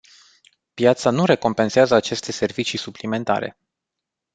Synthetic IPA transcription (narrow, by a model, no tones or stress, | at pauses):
pjat̪sanuɾe̞ko̞mpe̞nseazəat͡ʃe̞st̪e̞se̞rvit͡ʃisuplime̞nt̪a̰ɾḛ